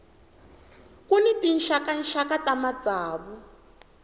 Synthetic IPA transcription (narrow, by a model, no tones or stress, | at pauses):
kunitin̩ʃakan̩ʃakatamad͡zaːβu